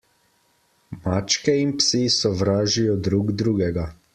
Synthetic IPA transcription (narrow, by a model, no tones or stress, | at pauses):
mat͡ʃkɛinpsisɔʋɾaːʒijɔd̪ɾuɡd̪ɾuːɡɛɡa